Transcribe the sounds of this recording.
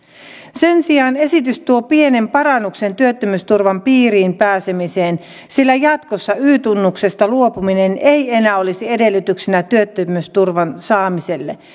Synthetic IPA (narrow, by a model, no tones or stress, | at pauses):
sensiɑːne̞sit̪yst̪uopienempɑrɑnːuksent̪yøt̪ːømyst̪urʋɑmpiːriːmpæːsemiseːn | silːæjɑt̪kosːɑyːt̪unːukse̞st̪ɑluopuminenʔeienæːolisiedelːyt̪yksinæt̪yøt̪ːømyst̪urʋɑnsɑːmiselːe